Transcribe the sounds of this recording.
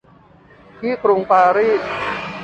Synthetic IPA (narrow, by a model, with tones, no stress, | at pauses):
t̪ʰiː˥˩kɾu˧ŋpaː˧ɾiː˥˩t̪̚